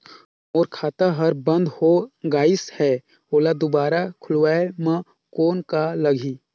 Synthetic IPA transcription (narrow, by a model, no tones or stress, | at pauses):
moːɾkʰaːt̪aɦəɾbə̃nd̪ʱhoɡaːɪshɛː | oːlad̪obaːɾakʰʊlwaːemã | koːnkaləɡʱi